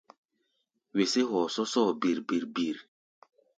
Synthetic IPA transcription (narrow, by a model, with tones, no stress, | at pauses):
we˨se˦ɦɔ˨sɔ˦sɔː˦˨bi˨ɾbi˨ɾbi˨ɾ